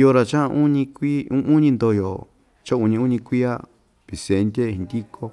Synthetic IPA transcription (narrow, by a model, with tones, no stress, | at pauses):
jo˧ɾa˨t͡ʃã˦˧ũ˦ɲĩ˧kʷi˦ũ˦ũ˦ɲĩ˧nd̪o˧˨jo˨ | t͡ʃã˦ũ˧ɲĩ˧ũ˦ɲĩ˧kʷi˦a˦ | pi˨se˨˧nd̪ʲe˦ĩ˧nd̪i˦kʰo˦